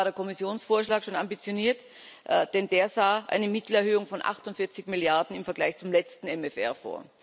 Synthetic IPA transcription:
ɾeɐkʰɔmɪsjoːnsfoːɐʃlaːkʃoːnambit͡sjoniːɐt | ʔd̥ɛnd̥eːɐzaːʔa̰ɪnəmɪtl̩ɛɐhɦøːʊŋfɔnʔa̰χtʊntfɪɐt͡sɪçmiljaɐdn̩ɪmfɛɐɡla̰ɪçt͡sʊmlɛt͡stn̩ɛmɛfɛ̰ɐfo̰ːɐ

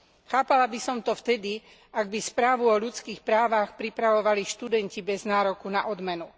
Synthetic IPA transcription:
xaːpalabisɔmt̪ɔft̪ɛd̪i | aɡ̚bispɾaːʋuɔʎut͡skiːxpɾaːʋaxpɾipɾaʋɔʋaliʃt̪ud̪ɛncibɛznaːɾɔkunaʔɔd̪mɛnu

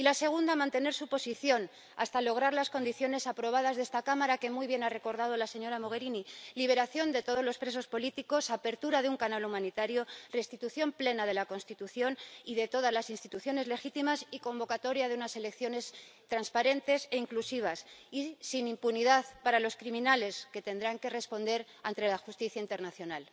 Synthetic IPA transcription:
ilase̞ɣ̞und̪amãnt̪e̞ne̞ɾsupo̞siθjo̞n | a̰st̪alo̞ɣ̞ɾaɾlasko̞nd̪iθjo̞ne̞sapɾo̞β̞að̞azðe̞st̪akamaɾake̞mujβje̞nare̞ko̞ɾðað̞o̞lase̞ɲo̞ɾamo̞ɣ̞e̞ɾiniliβ̞e̞ɾaθjo̞nd̪e̞t̪o̞ð̞o̞zlospɾe̞s̬o̞spo̞lit̪iko̞sape̞ɾt̪uɾaðeuŋkanalumãnit̪aɾjo̞re̞st̪it̪uθjo̞mple̞nað̞e̞lako̞nst̪it̪uθjo̞niðe̞t̪o̞ð̞azlasinst̪it̪uθjo̞ne̞zle̞xit̪imasiko̞mbo̞kat̪o̞ɾjaðeunase̞le̞kθjo̞ne̞st̪ɾanspaɾe̞nt̪e̞se̞iŋklusiβ̞asisinimpuniðaðpaɾalo̞skɾimĩnale̞ske̞t̪e̞nd̪ɾaŋke̞re̞spo̞nd̪e̞ɾ | ant̪ɾe̞laxust̪iθjaint̪e̞ɾnaθjo̞nal

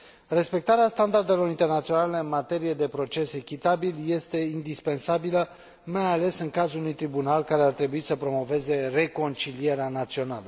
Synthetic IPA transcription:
re̞spe̞k̚t̪aɾeast̪and̪ard̪e̞lo̞ɾint̪e̞rnat̪sio̞nale̞ɨnmat̪e̞ɾije̞d̪e̞pɾo̞t͡ʃe̞se̞kʲit̪abilje̞st̪e̞ind̪ispe̞nsabilə | majale̞sɨŋkazulunujt̪ɾibunalkaɾeart̪ɾe̞buisəpɾo̞mo̞ve̞ze̞re̞ko̞nt͡ʃilije̞ɾeanat̪sio̞nalə

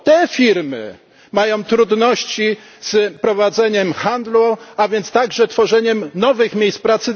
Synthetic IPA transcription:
t̪ɛfʲiɾmɘ̰ | majɔ̃w̃t̪ɾud̪nɔɕt͡ɕi | z̥pɾɔvad̪zɛɲɛmxand̪luavʲjɛnt̪st̪aɡʐɛt̪fɔʐɛɲɛmnɔvɘxmʲjejs̚pɾat̪sɘ

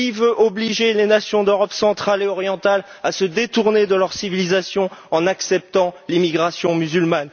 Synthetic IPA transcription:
ivøʔɔbliʒelenasjɔ̃d̪øʁɔpsɑ̃t̪χaleɔʁjɑ̃t̪alasəd̪et̪uʁned̪əlœʁsivilizasjɔ̃ɑ̃naksɛp̚t̪ɑ̃limiɡʁasjɔ̃myzylman

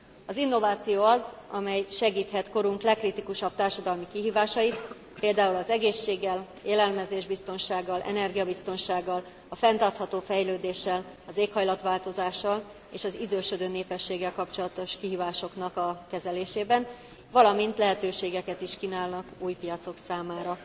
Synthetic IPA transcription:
ɒzinːo̞vaːt̪sijoːɒzɒmɛjʃɛɡiːt̪hɛt̪ko̞ɾuŋklɛkːrit̪ikuʃɒb̚t̪aːrʃɒd̪ɒlmikiɦiːvaːʃɒjit̪ | peːld̪aːulɒzɛɡeːʃːeːɡːɛl | eːlɛlmɛzeːʒbist̪o̞nʃaːɡːɒlʔɛ̰nɛrɡijɒbist̪o̞nʃaːɡːɒl | ɒfɛnt̪ɒrt̪hɒt̪oːfɛjløːd̪eːʃːɛl | ɒzeːkhɒjlɒt̪ʋaːlt̪o̞zaːʃːɒl | eːʃɒzid̪øːʃød̪øːneːpɛʃːeːɡːɛlkɒpt͡ʃo̞lɒt̪o̞ʃkiɦiːvaːʃo̞knɒkɒkɛzɛleːʃeːbɛn | vɒlɒmint̪lɛɦɛt̪øːʃeːɡɛkɛt̪iʃkinaːlnɒkuːjpijɒt̪so̞ksaːmaːɾɒ

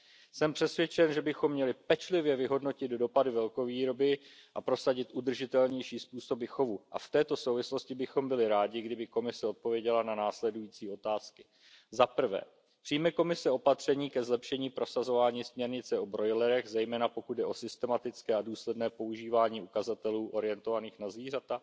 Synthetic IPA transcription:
sɛmpr̥ɛsvjɛt͡ʃɛnʒɛbɪxo̞mːɲɛlɪpɛt͡ʃlɪvjɛvɪɦo̞dno̞cɪd̪do̞padɪvɛlko̞viːɾo̞bɪʔapɾo̞saɟɪt̪ʔud̪r̩ʒɪt̪ɛlɲɛjʃiːspuːso̞bɪxo̞vuʔa̰ft̪ɛːt̪o̞sowvɪslo̞scɪbɪxo̞mbɪlɪɾaːɟɪɡdɪbɪko̞mɪsɛo̞t̪̚po̞vjɛɟɛlananaːslɛdujiːt͡siːo̞t̪aːskɪ̥ | zapr̩vɛ̰ː | pr̥ijmɛko̞mɪsɛo̞pat̪r̝̥ɛɲiːkɛzlɛpʃɛɲiːpɾo̞sazo̞vaːɲiːsmɲɛɾɲɪt͡sɛo̞bɾojlɛɾɛɣzɛjmɛːnapo̞kud̪̚dɛʔo̞sɪst̪ɛmat̪ɪt͡skɛːaduːslɛdnɛːpo̞uʒiːvaːɲiːukazat̪ɛluːʔo̞ɾɪjɛnt̪o̞vaniːxnazviːr̝at̪a

